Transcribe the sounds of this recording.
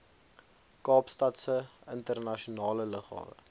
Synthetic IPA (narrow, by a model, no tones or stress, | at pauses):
kɑːpstɐtsəəntərnɐʃionɑːlələχɑ̰ːvə̰